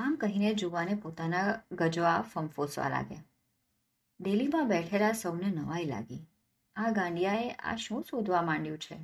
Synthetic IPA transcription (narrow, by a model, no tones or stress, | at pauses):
amkəɦined͡ʒoʋanepot̪anaɡəd͡ʒoafəmfosʋa̰la̰ɡḛ | d̪elimãbɛʈʰelasəwnenəʋaila̰ɡi | aɡãɳɖijaeʔa̰ʃũsud̪ʱʋamãɳɖjũt͡ʃʰe